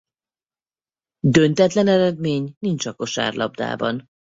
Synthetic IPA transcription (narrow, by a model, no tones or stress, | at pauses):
d̪ønt̪ɛt̪lɛnɛɾɛd̪meːɲnint͡ʃɒko̞ʃa̰ːrlʔɒ̰b̚d̪a̰ːbɒ̰n